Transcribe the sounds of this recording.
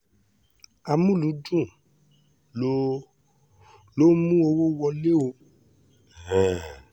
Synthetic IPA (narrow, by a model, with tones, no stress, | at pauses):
a˧mũ˦lu˨˦dũ˦˨ | o˦ | lo˦mũ˦o˧wo˦wɔ˧le˦o˧˨ | ɛ˦˨